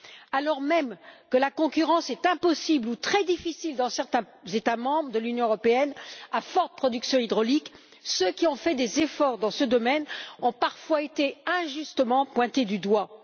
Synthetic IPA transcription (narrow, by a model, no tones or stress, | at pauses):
alɔʁmɛmkəlakɔ̃kʲyʁɑ̃sɛt̪ɛ̃pɔsiblut̪χɛd̪ifisild̪ɑ̃sɛʁt̪ɛ̃ | zet̪amɑ̃bʁəd̪əlynjɔ̃øʁɔpeɛnafɔʁt̪ə̥pχɔd̪yksjɔ̃id̪ʁɔlik | søkʲiɔ̃fɛd̪ezefɔʁd̪ɑ̃səd̪ɔmɛnɔ̃paʁfwaet̪eɛ̃ʒyst̪əmɑ̃pwɛ̃t̪ed̪yd̪wa